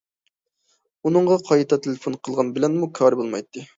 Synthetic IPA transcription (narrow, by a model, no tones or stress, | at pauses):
unɨɴʁɑqʰɑjt̪ʰɑt̪ʰelɪfonqʰəlˠʁɑnbɪlɛnmukʲʰɑːɾɨbolˠmɑ̰jt̪ʰːɨ